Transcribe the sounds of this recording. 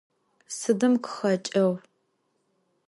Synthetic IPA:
sɨdɨmkʰʊ̥xɐt͡ʃʼɐw

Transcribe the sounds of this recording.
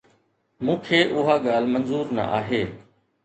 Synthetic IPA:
mũːkʰeːʔʊɦaːɠaːlmənzuːɾnə̰ʔaːɦeː

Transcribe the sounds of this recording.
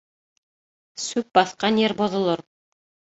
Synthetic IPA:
sʉp̚bɑθqɑnjeɾbŏðŏlˠoɾ

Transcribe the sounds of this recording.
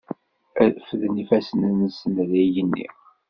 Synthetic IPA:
fðnifæsənənsənðæjənːḭ

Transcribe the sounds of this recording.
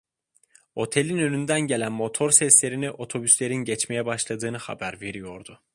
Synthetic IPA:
o̞t̪ʰe̞lʲinønʲynd̪ænɟe̞lʲænmo̞t̪ʰo̞ɾsɛslʲe̞ɾiniʔo̞t̪ʰo̞byslʲe̞ɾinɟɛt͡ʃme̞jɛbaʃlˠad̪ɯːnɯha̰bæɾve̞ɾijo̞ɾd̪ʊ

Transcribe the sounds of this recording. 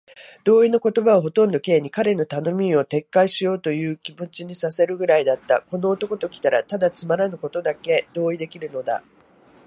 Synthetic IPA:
d̪̥o̞ːino̞ko̞t̪o̞baβaɦo̞t̪õ̞nd̪o̞ke̞ːɲ̟ikaɾe̞no̞t̪ano̞mʲio̞t̪e̞kːaiɕijo̞ːt̪o̞jɯ̟ːkʲimɯ̟t͡ɕiɲ̟isase̞ɾɯ̟ɡɯ̟ɾaid̪at̪ːa̰ko̞no̞ːt̪o̞ko̞t̪o̞kʲi̥t̪aɾa̰t̪ad̪at͡sɨmaɾanɯ̟ko̞t̪o̞d̪ake̞d̪o̞ːid̪e̞kʲiɾɯ̟no̞d̪a̰

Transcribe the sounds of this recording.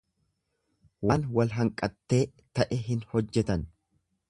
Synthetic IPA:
waːnwɐlɦɐŋkʼɐt̪ːe̞ː | t̪ɐʔɛɦɪnhɔd͡ʒːɛt̪ɐn

